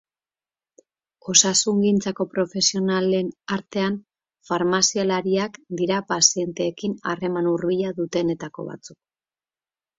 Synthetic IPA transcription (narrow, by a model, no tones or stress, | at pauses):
o̞sasuŋɡint͡sako̞pɾo̞fe̞sio̞nale̞naɾt̪e̞an | faɾmasialaɾiakd̪iɾapasie̞nt̪e̞ːkina̰re̞manurβiʎaðut̪e̞ne̞t̪ako̞̰βa̰t͡suk̚